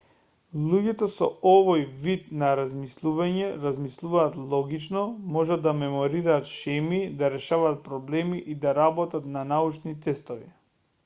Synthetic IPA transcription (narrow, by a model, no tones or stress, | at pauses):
lˠuɟɛt̪ɔsɔ̰ovojvid̪naɾazmislˠuvaɲɛɾazmislˠuvaːt̪lˠɔɡit͡ʃnɔmɔʒad̪ːamɛmɔɾiɾaːt̪ʃɛmid̪aɾɛʃavaːt̪̚pɾɔblɛmiʔid̪aɾabɔt̪at̪nanaut͡ʃnit̪ɛst̪ɔvi